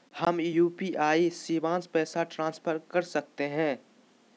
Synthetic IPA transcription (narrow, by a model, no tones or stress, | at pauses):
həmjuːpiʔaːisiːʋãːnspɛːsaʈɾãːnspʰəɾkɐɾsɐk̚t̪eɦɛ̃ː